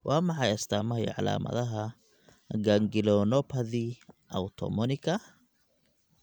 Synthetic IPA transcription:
wʔɑːmɑħɑjɐst̪ʰaːmɐɦɛjʕɑ̰la̰ːmɐ̰ðɐɦɐ | ɡaŋɡɪlɔnɔpʰɐðiʔɐwt̪ʰɔ̰mɔnɪkʰɐ

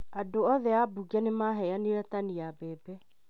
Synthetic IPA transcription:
adoɔðɛabuɡanemaɦɛaneɾɛtaniabɛːbɛ

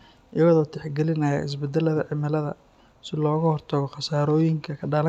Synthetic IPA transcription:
ʔɪjɐɣɔðɔːt̪ʰɛħɡɛlɪnɐja̰ɪ̰s̬bɛd̪ːɛlɐðɐʕɪmɪlɐðɐ̰ | sɪlɔːɣɐhɔrt̪ʰɐɣɔχɑsaːɾɔːjɪŋkʰɐkʰɐɖaːlɐ

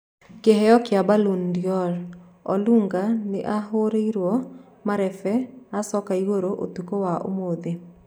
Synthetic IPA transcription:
keɦɛjɔkjabalundjɔl | ɔluŋɡanɪʔaɦoɾeiɾwɔ | maɾɛfɛasɔkaiwoɾoʔo̰t̪ukowaʔo̰mod̪e

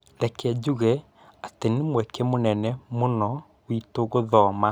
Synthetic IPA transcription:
lɛkɛd͡ʑuɣɛ | atenemwɛkemonɛnɛmonɔ | witoɣoðɔːma

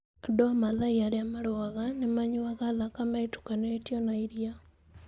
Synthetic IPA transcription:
adoamaðaiaɾeamaɾoaɣanemaɲuakalakamaitu̥kanetjonaiɾja

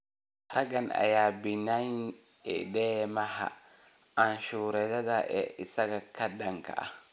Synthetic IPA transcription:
ɾaɡana̰jabinan | ɛ̰dɛmaɦa̰ | ʔanʃuːɾɛd̪ad̪aʔɛ̰isaɡakʰadaŋka̰a̰

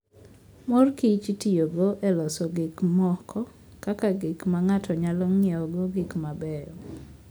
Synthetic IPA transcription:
mɔrkit͡ʃitioɡoʔɛlɔsɔɡɪkmɔkʰɔ | kakaɡɪkmaŋatʰɔɲalɔŋɪɛɔɡoɡɪkmabɛjɔ

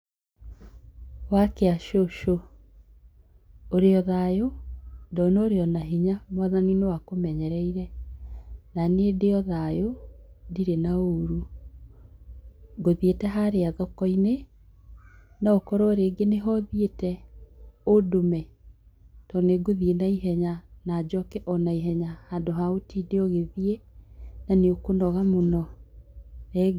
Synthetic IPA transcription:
wakeaʃoʃo | oɾeɔðajodɔnoːɾeɔnaɦiɲamwaðaninewakomɛɲɛɾɛiɾɛ | nanedeɔðajodiɾenaoɾu | ɡoðietɛɦaɾeaðɔkɔine | naokɔɾɔɾeɡeneɦɔðietɛ | odomɛ | tɔneɡoðienaiɦɛɲanad͡ʑɔkɛʔɔnaiɦɛɲahadoɦaotideɔɣeðienaneokonɔɣamonɔ | ɾe

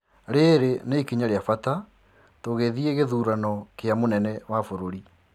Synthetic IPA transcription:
ɾeɾeneikiɲaɾeafata | toɣeðieɣeðuːɾanɔkeamonɛnɛwafoɾoɾi

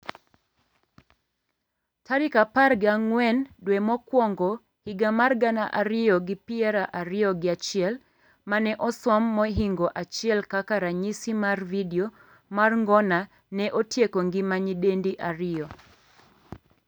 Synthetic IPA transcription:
taɾikaparɡaŋwɛndwɛmɔkwɔŋɡɔ | hiɡamarɡanaʔaɾɪɔɡɪpiɛɾaʔaɾɪɔɡɪat͡ʃɪɛl | manɛʔɔswɔmːɔɦiŋɡɔʔat͡ʃiɛlkakaɾaɲisimarvidiɔ | marŋɡɔna | nɛʔotjekɔŋɡimaɲidendiʔaɾɪɔ

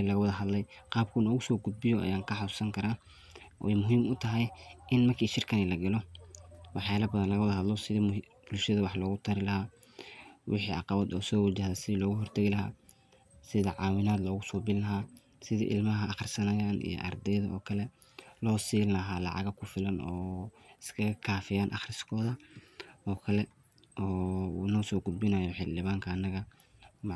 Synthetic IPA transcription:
lɐɣɐwɐðɐɦɐd̪lɛjqɑːb̚kʰʊnɔːɣʊsɔːɡʊd̪̚bɪjɔʔɐ̰jaːŋkʰɐħɑsusɐŋkʰɐɾaː | ʔɔjmʊɦiːmʊt̪ʰɐɦɛjʔɪnmɐrkʰiːʃɪrkʰɐnilɐɡɐlɔ | wɑħjaːlɐbɐðɐnlɐɣɐwɐðɐɦɐd̪lɔsɪði | b̥ʊlʃɐðɐwɑħlɔːɣʊt̪ʰɐɾɪlɐɦaː | wʔɪħḭːɑqɑβɐd̪ɔ̰ːsɔːwat͡ʃɐhðɐsɪðiːlɔːɣʊɦɔrt̪ʰɐɣɪlɐɦa̰ː | sɪðɐʕɑːwɪnaːd̪lɔːɣʊsɔːbɪllɐɦaː | sɪðḭːʔɪ̰lmɐɦɐʔɑχrsɐnɐjaːnʔḭjɔ̰ʔɐ̰rd̪ɛjðɐɔ̰ːkʰɐlɛ | lɔːsiːlɐɦaːlɑ̰ʕɑ̰ɣɐkʰʊfɪlɐnʔɔːɪskʰɐɣɐkʰaːfɪjaːnʔɑ̰χrɪskʰɔːðɐ | ʔɔːkʰɐlɛ | ʔɔːṵːnɔːsɔːɡʊd̪̚bɪnaːjɔħɪld̪ɪβaːŋkʰɐːnːɐɣɐ | m

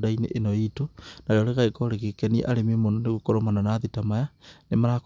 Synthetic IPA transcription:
dainḛʔenoitonaɾeoɾeɣaekoɾekekeniḛʔaɾemimononeɣukoɾomananaðitamajanemaɾak

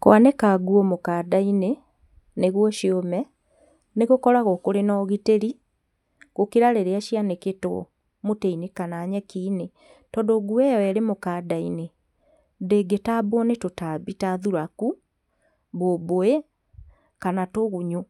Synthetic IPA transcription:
kw̰anɛkaɡwɔmokaːdaine | neɣwɔʃiomɛ | neɣokɔɾaɣokoɾenɔɣiteɾi | ɣokeɾaɾeɾeaʃianeketo̰ | moteinekanaːɲɛkiːne | tɔːndoɡuɛjɔɛɾemokaːdaine | deɡetabonetotabitaðuɾaku | boboe | kanatoɣuɲu

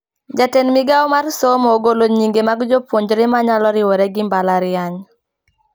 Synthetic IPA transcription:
d͡ʒatenmɪɡaɔmarsomoɡoloɲiŋɡemaɡd͡ʒopwoɲd͡ʒɾɪmaɲalɔɾɪwoɾɛɡɪmbalaɾɪaɲ

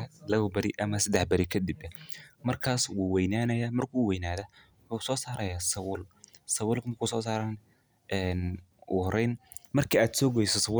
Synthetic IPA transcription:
lɐβɐbɐɾiʔɐmɐsɐd̪ɛħbɐɾɪkʰɐd̪ɪbmɐrkʰaːswuːwɛjnaːnɐjaːmɐrkʰuːwɛjnaːðɐwʊħuːsɔːsaːɾɐjaːsɐwʊlsɐwʊlkmkʰusɔːsaːɾan | ɛːnʊ̰hɾɛjnmɐrkʰiːaːd̪sɔːɡɔjsɔsɐwʊ

